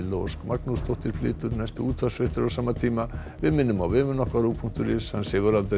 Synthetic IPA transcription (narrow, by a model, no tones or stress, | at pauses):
loskmaknust̪oht̪ɪɾflɪ̰ːt̪ʏɾnajst̪ʏuːt̪fḁsfɪht̪ɪɾawsaːmːat̪ʰiːma | vɪmɪnːʏmawvɪːmʏnɔhkvaɾupʰuŋ̥t̪ʏɾɪshansɛɣʏɾalt̪ɾ